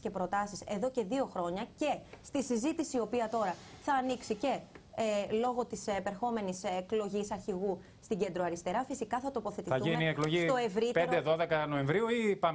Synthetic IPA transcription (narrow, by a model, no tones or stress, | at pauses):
cepɾo̞t̪ɐsise̞ðo̞ce̞ðio̞xɾo̞ɲɐce̞st̪isizit̪isiiːo̞piɐt̪o̞ɾɐθɐːniksice̞ | lo̞ɣo̞t̪ispe̞ɾxo̞me̞niseklo̞ʝisɐɾçiɣu | st̪iɟe̞nd̪ɾoɐɾist̪e̞ɾɐfisikɐθɐt̪o̞po̞θe̞t̪iθɐθuʝiniekloʝist̪oe̞vɾit̪pend̪eðoðekɐno̞eɱvɾiuipɐ